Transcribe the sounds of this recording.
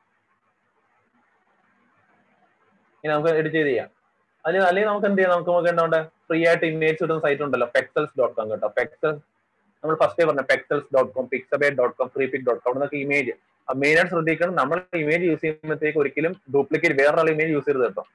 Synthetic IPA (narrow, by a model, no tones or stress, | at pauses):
ŋaːnnɐmukːɨeɽut͡ɕːt͡ɕe̞ːðijːa̰ː | ɐðilenɐlːeŋʲɡlnɐmukːeɳɖijːanɐmukːɨmokːeːɳɖɐʋoɳɖefriːjaːjiʈːɨime̞ːd͡ʑɨseʈːunːɐsɐjtːiluɳɖɐlːoːpekselsɖoːʈ̚ːkoːmkeʈːoːpeksɐls | nɐmːɐɭfɐsʈepɐrɐɲːapekselsɖoːʈkoːmpiksɐbeːʈ̚ɖoːʈkoːmkriːpik̚ɖoːʈ̚koːɐʋɾɽenokːɨime̞ːd͡ʑɨ | ɐmeːnɐʈːɕrɨd̪ʱːikʲːɐɳɐmnɐmːɐɭeimeːd͡ʑɨjuːsiːnːɐt̪ːe̞ːkːɨoɾikʲːilumɖupɭikʲːeʈːʋeːraɭːɐimeːd͡ʑjuːsikʲiɾɐðeʈːo̰